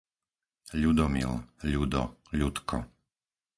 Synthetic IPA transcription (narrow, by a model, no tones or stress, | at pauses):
ʎud̪ɔmḭlʎud̪ɔ̰ʎut̪kʰɔ̰